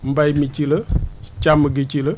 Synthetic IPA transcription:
m̩bajmit͡ʃilət͡ʃaməɡit͡ʃilə

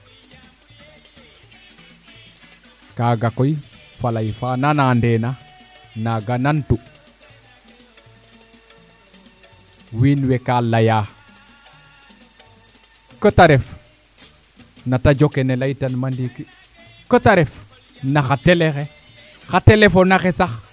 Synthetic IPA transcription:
kaːɡakojfalajfananandenanaɡanantu | winwekalajaː | kətaɾef | natad͡ʒokenelajtanmandiki | kətaɾef | naxatelexe | xatelefonaxesax

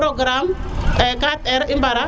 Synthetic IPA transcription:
ɾoɡɾamɛkat̪ɛɾimbaɾa

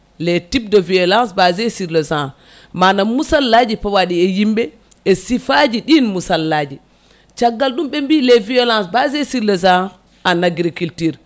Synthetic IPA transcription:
lɛtib̚dɔviɔlãnsbazɛsiɾlɛzã | manamusalːad͡ʒipawaɗiɛjimɓɛ | ɛsifad͡ʒiɗinmusalːaːd͡ʒi | t͡ʃaɡːalɗumɓɛmbilɛviɔlansbazɛsiɾlɛzã | anaɡɾikiltiɾ

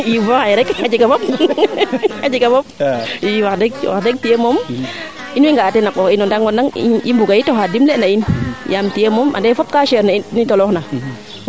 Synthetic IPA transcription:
ivaajɾɛkhad͡ʒiɡabop̚ | ad͡ʒiɡabopiwakdekwa̰kdek̚tijemom | inwiŋɡatɛnakɔinɔndaŋɡɔndaŋimbuɡajitohadimlenainjamtiemoma̰ndefop̚kaʃeɾnainitolɔhna

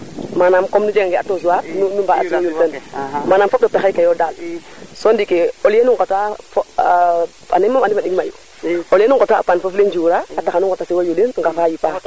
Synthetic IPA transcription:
manamkɔmnud͡ʒeŋŋɡɛʔatozuwaɾnunumbaasiwojultanmanamfɔp̚ɗɔp̚taxajkajɔdalsɔndikeoljenuŋɡotaf | animːamandimaɗiɡmajṵ | oljenuŋɡotaʔa̰panfofleɲd͡ʒuɾaataxanuŋɡɔtasiwajulinŋɡafajipa

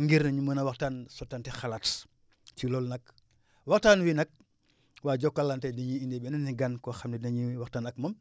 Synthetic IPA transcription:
ŋɡiɾnɐɲuməːnɐwaktaːnsɔtːantɛxalat | t͡ʃilɔlnɐk | waktaːnwinɐk̚ | waːd͡ʒɔkːalːantɛdiɲiindebɛnɐnniɡankɔxamdinɐɲiwaxtanɐk̚mɐm

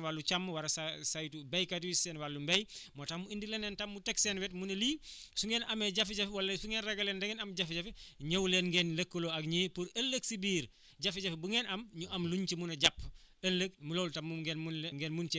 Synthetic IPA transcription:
walːut͡ʃamːwaɾɐsasajtubejkatiwisɛnwalːumbejmotamːuindilenentamːutɛksɛnwɛtmunɐliː | suŋɡɛːnʔɐmeɟafiɟafiwalːɐsuŋɛːnrɛɡɐlendeŋenɐmɟafiɟafiɲɐwlenŋɡenlɐkːoloakɲiːpuɾɐlːəksibiːɾ | ɟafiɟafibuŋenɐmɲuʔɐmluɲt͡ʃimunɐɟapː | ɐlːək̚mulowltamːumɡenmunleŋɡenmunt͡ʃ

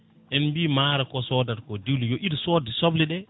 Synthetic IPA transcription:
ʔɛnmbiːmaɾakɔsɔdaɾkɔdiwlujɔʔidsɔdisobliɗɛ

